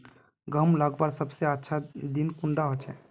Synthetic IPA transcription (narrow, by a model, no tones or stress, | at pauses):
ɡʱəmlaɡbaɾsəbseətːʃʰad̪inkuɳɖaɦot͡ʃʰɛ